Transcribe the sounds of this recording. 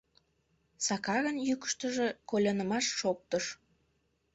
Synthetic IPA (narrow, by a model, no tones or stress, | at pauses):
sɑkɑɣənjykə̥ʃt̪əʒekolʲɑnəmɑʃːok̚t̪əʃ